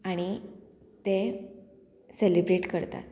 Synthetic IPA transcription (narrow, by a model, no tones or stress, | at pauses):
aɽ̃i | t̪e | selibɾeʈkəɾt̪a̰t̪